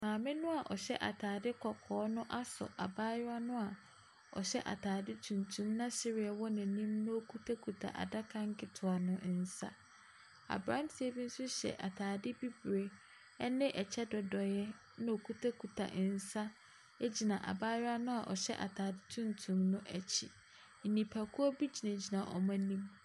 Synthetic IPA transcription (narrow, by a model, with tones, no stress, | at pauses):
mãː˨mɪ̃˦nʊ̃˦a˨ʔɔ˨ɕɛ˦ʔa̰˨tʰaː˨dɪ˦kʰɔ˨kʰɔː˨˦nʊ̃˦ʔa˦sɔ̰˨ʔa˨baː˦jʊ˦a˦nʊ̃˦a˨ | ɔ˨ɕɛ˦ʔa̰˨tʰaː˨dɪ˦tʰũ˨ntʰũ˦mnã˦ɕɪ˦ɾɪ˨ɛ˨wɔ˦nɪ̃˨nĩ˦mnʊ̃˦o˦kʰu˦tʰa˦kʰu˨tʰa̰˨ʔa̰˨da˦kʰã˦ŋ˦kʰɪ˦tʰʊ˨a˨nʊ̃˦ʔn̩˨sa̰˦ | a̰˨bɾã˦m˦tʰi˨e˦bi˦n̩˦sʊ˦ɕɛ̰˨ʔa̰˨tʰaː˨dɪ˦bi˦bɾe˨˦ | nɪ̃˦ʔɛ˨t͡ɕʰɛ˦dɔ˨dɔ˨jɛ˦ | nã˦o˨kʰu˦tʰa˦kʰu˨tʰa̰˨ʔn̩˨sa˦ | e˦d͡ʑi˨nã˨ʔa̰˨baː˦jʊ˦a˦nʊ̃˦a˨ʔɔ̰˨ɕɛ̰˦ʔa̰˨tʰaː˨dɪ˦tʰũ˦ntʰũ˨mnʊ̃˦ʔɛ˨t͡ɕʰɪ˨ | n̩˨nĩ˨pʰa˨kʰu˦ɔ˦bi˦d͡ʑi˨nã˨d͡ʑi˨nã˨ʔɔ̰˨mã˦nĩ˦m